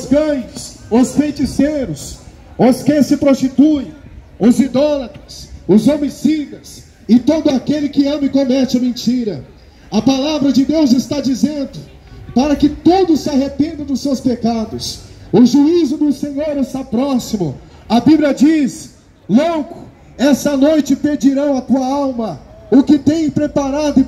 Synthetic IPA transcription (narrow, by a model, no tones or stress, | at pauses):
ʊzɡɐ̃jʊsʊsfẽt͡ʃisejɾʊs | ʊskẽj̃sɪpɾost͡ʃit̪uj | ʊzid̪ɔlɐt̪ɾʊsʊzomisidɐs | ɪt̪od̪ʊakelɪkɪɐ̃mɪkomɛt͡ʃɪɐmẽnt͡ʃiɾɐ | ɐpalavɾɐd͡ʒɪd̪ewzɪst̪ad͡ʒizẽnd̪ʊ | paɾɐkɪt̪od̪ʊsɪaɦepẽnd̪ʊd̪ʊsːewspekad̪ʊsʊʒuizʊd̪ʊsẽɲoɾɪst̪apɾɔsimʊ̰ | ɐbibliɐd͡ʒis | loɡʊ | ɛsɐnojt͡ʃɪpeɾd͡ʒiɾɐ̃w̃ɐt̪uɐawmɐʊkɪt̪ẽj̃pɾepaɾad̪ʊɪ